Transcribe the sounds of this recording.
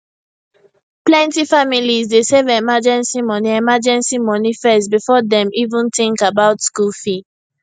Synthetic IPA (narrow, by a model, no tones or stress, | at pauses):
plɛ̃ntifamilizdesɛvɛmad͡ʒɛ̃nsimɔniɛmad͡ʒɛ̃nsimɔnifɛstbifɔdɛ̃mivũntĩŋkabaʊtskulfi